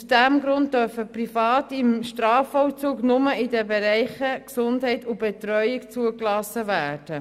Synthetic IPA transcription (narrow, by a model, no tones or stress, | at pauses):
sd̥æmɡɾʊnt̚dœɾfəprifɑːtɪmʃtɾɑːfɔwt͡suːɡnʊməɪdɛbeɾɛɪχəksʊndɦɛɪtʊbɛt̪ɾœʏɪkt͡suəklɑsːəvæːrd̥ə